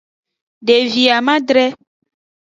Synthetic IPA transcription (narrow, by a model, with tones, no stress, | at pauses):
ɖe˨vi˨a˨mã˦dɾɛ˦